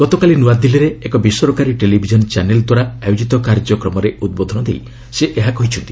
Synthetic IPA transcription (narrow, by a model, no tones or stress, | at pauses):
ɡ̥ɔt̪ɔkalinuwad̪iliɾeekɔbisɔɾɔkaɾiʈelibʱid͡ʒɔnɔt͡ʃaneld̪waɾaajod͡ʒit̪ɔkaɾd͡ʒɔkɾɔmɔɾeud̪̚bod̪ʱɔnɔd̪ḛj | seʔeɦakɔɦit͡ʃʰɔnt̪i